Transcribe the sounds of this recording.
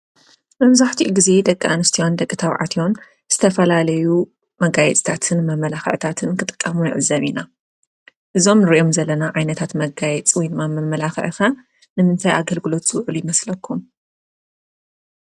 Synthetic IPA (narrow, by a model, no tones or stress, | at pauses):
mɐmzaħt̪ʰiʔuɡize̞d̪ɐkʼːaʔanɨst̪ʰiwond̪ɐkʼːɨt̪ʰaβʕa̰t̪ʰion | z̥ɨt̪ʰɐfɐlalɐju | mɐɡajɛt͡sʼt̪ʰat̪ʰɨnmɐmɐlaxɐ̰ʕt̪ʰat̪ʰɨnkʰɨt̪ʼɨ̥kʼːɐmujɪʕɨzːɐβina | ʔɨzo̞mnɨɾiʔo̞mzɐlːɐnaʕajnɐt̪ʰat̪mɐɡajɛt͡sʼwɔjnmamɐmːɐlaxʕta | nɨmɨnt̪ʰajʔaɡɐlɡɨlo̞t̪z̥ɨwʕɨlujɪmɐslɐkʰːum